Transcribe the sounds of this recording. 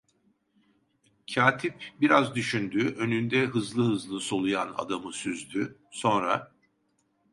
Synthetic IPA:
cʰaːt̪ʰip̚biɾazd̪yʃynd̪yːʔø̞nynd̪ɛɦɯzlˠɯhɯzlˠɯso̞lˠujana̰d̪amɯsyzd̪yso̞nɾa̰

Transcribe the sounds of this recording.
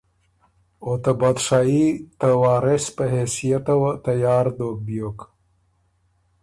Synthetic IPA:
ot̪abad̪ʂaːit̪ɐwɑːɾespəɦesijat̪ɐwət̪ɐjɑːɾd̪ok̚bjok

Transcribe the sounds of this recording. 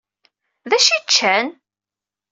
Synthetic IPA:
ðæʃit͡ʃːæn

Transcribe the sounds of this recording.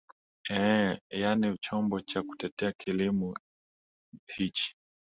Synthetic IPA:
ɛjanit͡ʃɔmbɔt͡ʃaku̥tɛtɛakʰilimɔ | hit͡ʃi̥

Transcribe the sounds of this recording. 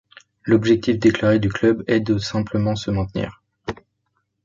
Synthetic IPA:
lɔbʒɛk̚t̪ifd̪eklaʁed̪yklœbɛd̪əsɛ̃pləmɑ̃səmɛ̃t̪nḭːʁ

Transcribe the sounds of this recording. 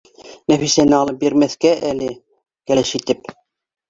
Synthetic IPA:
næfisænɘɑlˠɤp̚beɾmæθkæʔælɘ | kælæʃit̪ɘp

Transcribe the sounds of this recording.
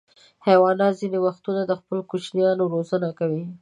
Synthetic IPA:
hawɑnazinewaxt̪unad̪əxpəlkut͡ʃnjɑnoɾozənakawi

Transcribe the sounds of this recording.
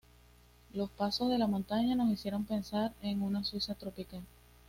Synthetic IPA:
lo̞spaso̞zðe̞lamo̞nt̪aɲano̞sisje̞ɾo̞ŋpe̞nsaɾe̞ŋunaswisat̪ɾo̞pikal

